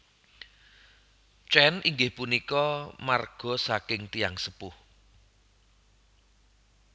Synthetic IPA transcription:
t͡ʃɛnʔiŋɡɪhpunikɔmarɡ̥ɔ̤sakɪŋt̪ijaŋsəpʊh

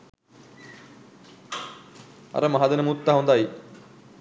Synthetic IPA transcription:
ɐ̰ɾɐmɐɦad̪ɐnɐmut̪ːaɦɐund̪aːji

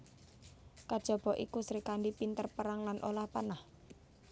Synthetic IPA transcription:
kad̥ʒ̥ɔ̤b̥ɔʔikusɾikanɖipint̪ərpəɾaŋlanʔolahpanah

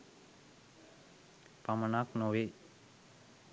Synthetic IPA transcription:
pamənaknoʋe

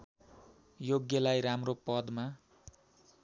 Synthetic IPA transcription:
joɡjʌlajɾamropʌd̪ma

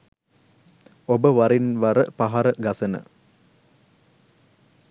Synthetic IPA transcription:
obəʋaɾinʋaɾəpaɦaɾəɡasənə̰

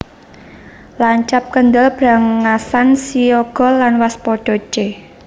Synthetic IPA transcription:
laɲt͡ʃap̚kənd̪əlb̥ɾa̤ŋːasansioɡ̥ɔ̤lanwaspɔɖ̥ɔ̤t͡ʃe

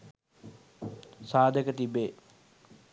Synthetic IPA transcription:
saːd̪ʱəkət̪ibːeː

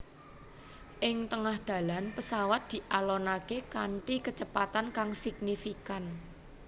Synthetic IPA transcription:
ʔɪŋt̪əŋahd̪̥ä̤lanpəsawat̪̚d̪̥i̤ʔalɔnakekaɳʈikət͡ʃəpat̪ankaŋsik̚nifikan

